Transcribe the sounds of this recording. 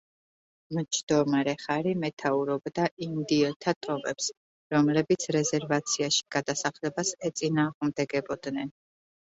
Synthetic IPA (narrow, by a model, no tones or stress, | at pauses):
mt͡ʃʰd̪̥ɔmaɾɛχaɾimɛt̪ʰauɾɔbd̪aʔimd̪iɔt̪ʰat̪ʼɔmɛ̰ps | ɾɔmlɛbit̪sʰɾɛzɛɾvat̪sʰiaʃi̥ɡ̥ad̪asaχlɛbasɛt̪sʼinaːʁmd̪ɛɡɛbɔd̪nɛn